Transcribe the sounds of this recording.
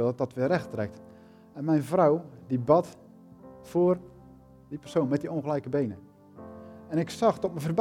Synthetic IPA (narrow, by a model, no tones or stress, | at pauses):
lˠdɔtʋɪrɛxtrɛk̚t | ɛnmɛjnvrawdibɑt | foːr | dipərsoːnmɛt̚dioŋɣəlɛjkəbejnə | ɛnɪksaxtɔtməvərb